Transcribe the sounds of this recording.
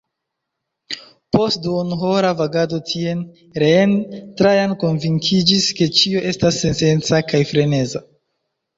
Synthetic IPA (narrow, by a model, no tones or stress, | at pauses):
po̞st̚duonɦo̞ɾavaɡado̞tʰie̞n | ɾentɾajanko̞nviŋkʰid͡ʒiske̞t͡ʃio̞ʔe̞stasːe̞nte̞nt͡sakajfɾe̞ne̞za